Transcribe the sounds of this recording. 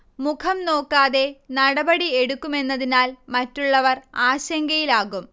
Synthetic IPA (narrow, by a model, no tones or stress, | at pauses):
mukʰɐmno̞ːkːaːðe̞nɐɽɐbɐɽieɽukːume̞nːɐðinaːlmɐtːuɭːɐʋɐraːɕɐŋɡɐjilaːɣum